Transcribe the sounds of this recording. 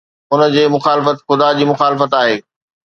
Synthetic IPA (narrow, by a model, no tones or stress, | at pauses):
ʊnə̆d͡ʑeːmʊxaːlɪfət̪xʊd̪ad͡ʑiːmʊxaːlɪfət̪aːɦeː